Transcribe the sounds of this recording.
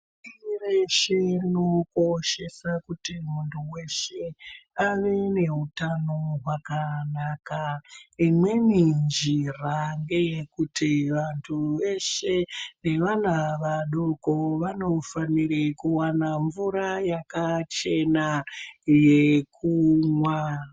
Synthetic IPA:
ireʃe̞noko̞ʃe̞sakutimuntʰuwe̞ʃe̞aʋene̞ɦutanoɦwakanakaimwe̞nind͡ʒiraŋɡe̞je̞kutiʋantʰuʋe̞ʃe̞ne̞ʋanaʋaɗokoʋano̞faniɾekuwanaɱvuɾajakat͡ʃe̞naje̞kʰumwa

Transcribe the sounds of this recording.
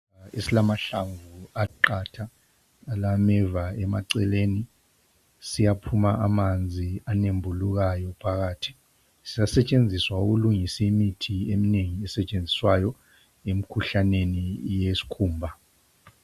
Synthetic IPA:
aesilamaɬaɱvuaǃatʰaː | lamɛvaɛmaǀɛleni | sijapʰumaʔamand͡zʱianembʱuluɣ̬ajɔpʰaɣaːtʰi̥ | sizasɛt͡ʃʼend͡zʱiswauɣuluŋisiimitʰiemineŋiɛsɛt͡ʃʼend͡zʱiswajɔ | em̩kʰuɬanenijesi̥kʰuːmbʱa

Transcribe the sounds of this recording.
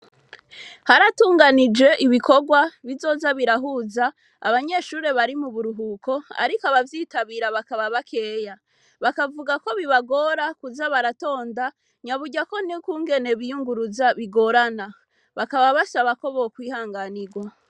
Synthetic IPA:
haɾatuːŋɡanid͡ʒe̞ʔiβiko̞ɡwaβizo̞zaβiɾaɦuzaː | βaɲe̞ʃuːɾe̞βaɾimuβuɾuɦukʰo̞a̰ɾikaβavjiːtaβiːɾaβakaβaβakʰe̞ːja | βakavuɡako̞βiβaɡo̞ːɾakuzaβaɾato̞ːnda | ɲaβuɟako̞nikuːŋɡe̞ne̞βijuŋɡuɾuzaβiɡo̞ɾana | βakaβaβasaβako̞βokwiːhaːŋɡaniɡwa

